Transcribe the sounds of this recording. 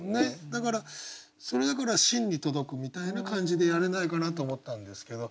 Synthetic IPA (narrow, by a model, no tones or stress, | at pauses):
ne̞d̪akaɾa | so̞ɾe̞d̪akaɾaɕĩɲ̟ːit̪o̞d̪o̞kɯ̟mʲit̪ainakãɲd͡ʑid̪e̞jaɾe̞naikanat̪̬o̞ːmo̞t̪ːãnd̪e̞sɨ̥ke̞d̪o̞